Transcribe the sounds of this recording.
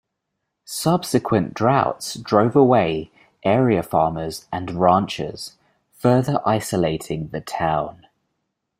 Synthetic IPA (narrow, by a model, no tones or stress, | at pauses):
sʌb̥sɪkʰwə̃nd̥ɹaʊtsd̥ɹəʊvəweɪ | ʔɛːɹiəfɑːməzʔə̃nɹɑ̃ˑnt͡ʃɪ̰z̥ | fɜːðəɹʔaɪsəleɪtʰɪ̃ŋðətʰãʊ̃n